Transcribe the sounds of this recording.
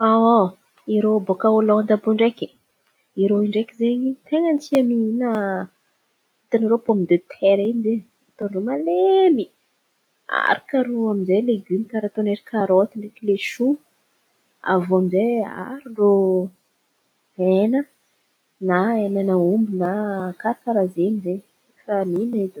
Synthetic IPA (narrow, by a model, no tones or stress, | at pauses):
a | iɾobokaolond̪abuiɳɖ͡ʐeki̥ | iɾoiɳɖ͡ʐekizeɲit̪eŋənt͡siamiinə | it̪aniɾopomid̪et̪ʰeɾinze | at̪onromalemi | a̰ɾakaɾoamizejleɡymik̪aɾat̪oneɾikʰaɾot̪iɳrekileʃu | a̰voamizea̰ɾiro | enə | naenanəumbinakaɾakaɾazenizeɲ | raminaid̪